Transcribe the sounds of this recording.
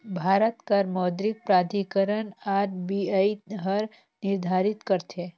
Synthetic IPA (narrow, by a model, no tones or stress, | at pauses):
bʱaːɾət̪kɐɾmɔːd̪ɾɪk̚pɾaːd̪ikəɾənaːɾbiaiɦəɾ | nɪɾd̪ʱaːɾɪt̪kəɾt̪e